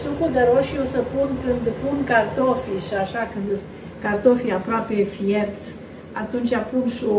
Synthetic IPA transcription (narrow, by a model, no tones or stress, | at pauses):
sunkud̪əɾoʃjewsəpunkɨnd̪punkart̪ofiʃaʃakɨnd̪ | kart̪ofiapɾoape̞fjert̪s | at̪unt͡ʃʲapunʃo